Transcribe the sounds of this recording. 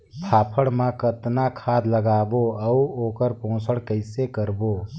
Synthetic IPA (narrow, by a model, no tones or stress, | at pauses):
pʰaːpʰəɽmãkət̪nakʰaːd̪ləɡaːboəuoːkəɾpõːsəɽkəɪsekəɾboː